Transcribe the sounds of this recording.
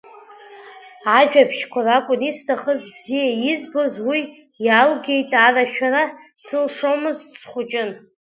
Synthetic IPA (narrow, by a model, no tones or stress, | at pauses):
aʒᶣapʰʃkʷʰarakʷʼʊnistʰaχəzbzijaizbozwi | jalɡʲe̞jtʼaraʃᶣara | sɨlʂomɨzsχʷʊt͡ʃʼɪn